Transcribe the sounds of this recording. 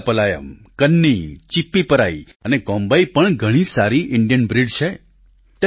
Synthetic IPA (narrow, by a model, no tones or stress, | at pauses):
pəlajə̰mkənːit͡ʃipːipəɾa̰i | ənekɔ̃mbəjpəɳɡʱəɽ̃isaɾiʔɪɳɖjənbɾiɖt͡ʃʰe | t̪